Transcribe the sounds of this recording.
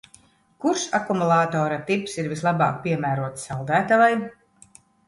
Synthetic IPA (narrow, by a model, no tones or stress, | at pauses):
kuɾʃakumulˠaːt̪ɔːɾat̪ipsiɾvislˠaba̰ːk̚pʲiɛmæːɾuɔt̪sald̪æːt̪avaj